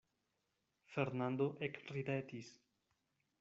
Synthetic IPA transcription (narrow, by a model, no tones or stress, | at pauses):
feɾnand̪oʔekripet̪is